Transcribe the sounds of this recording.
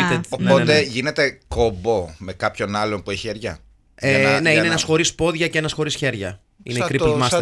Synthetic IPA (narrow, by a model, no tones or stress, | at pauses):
t̪eopot̪eʝine̞t̪e̞kobo̞me̞kɐpço̞nɐlonpueçi̥çeɾʝɐ̰ | ene̞ineenɐsxo̞ɾispo̞ðʝɐce̞enɐsxo̞ɾisçe̞ɾʝɐ̰ | ḭneikipmɐs